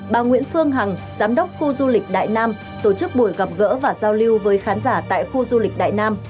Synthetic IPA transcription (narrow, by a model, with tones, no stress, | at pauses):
ɓaː˨˩ŋwḭ˧˥ənfɨ˧əŋɦa˨˩ŋzaː˨˦mɗə˦˥wk͡p̚xu˧zu˧lï˨˩k̟̚ɗa̰ː˧˨jnaː˧m | t̪o˧˩t͡ɕɨ˦˥k̚ɓu˧˩əjɣə˨˩p̚ɣə̰ː˧˥vaː˨˩zaː˧wli˧wvəː˨˦jxaː˨˦nzaː˧˩t̪a̰ː˧˨jxu˧zu˧lï˨˩k̟̚ɗa̰ː˧˨jnaː˧m